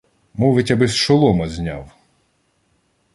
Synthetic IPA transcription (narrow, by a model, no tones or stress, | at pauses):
muʋɪtʲɐbɪsʃɔlˠɔmɐzʲnʲa̰w